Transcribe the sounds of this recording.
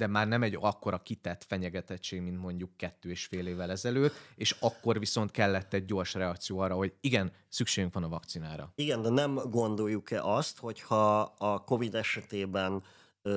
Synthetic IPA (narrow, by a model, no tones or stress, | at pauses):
d̪ɛmaːrnɛmɛɟɒkːo̞ɾɒkit̪ɛt̪ːfɛɲɛɡɛt̪ɛt͡ʃːeːɡmint̪mo̞ɲɟukːɛt̪ːøːeːʃfeːleːvːɛlɛzɛløːt̪ːeːʃɒkːo̞rviso̞nt̪kɛlːɛt̪ːɛɟ̚ːo̞rʃrɛɒkt̪sijoːɒrːɒɦo̞ɟiɡɛn | sykʃeːɡyŋkʋɒnɒvɒkt̪sinaːɾɒ̰iɡɛnd̪ɛnɛmɡo̞nd̪o̞jːukɛ̰ʔɒst̪ho̞chɒːko̞vid̪ɛʃɛt̪eːbɛn